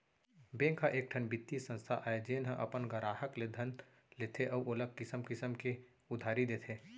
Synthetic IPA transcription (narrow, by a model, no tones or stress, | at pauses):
bẽːŋkʰaʔeːk̚ʈʰənbit̪ːisə̃nst̪ʰa̰ʔaed͡ʒeːnɦə̃ʔɐ̰pənɡəɾaːɦəkled̪ʱən | leːt̪ʰeʔɔːʔolək̚kɪsəmkɪsəmke | ʊd̪ʱaːɾid̪eːt̪ʰeː